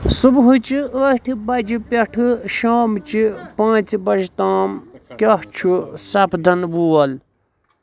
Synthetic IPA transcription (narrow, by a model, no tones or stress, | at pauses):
subɦut͡ʃiəʈʰibɐd͡ʒipʲɐʈʰɨʃaːmt͡ʃʰipãːt͡sbɐd͡ʒit̪aːmkʲɐht͡ʃʰusɐpʰd̪ʱɐnbuːɐl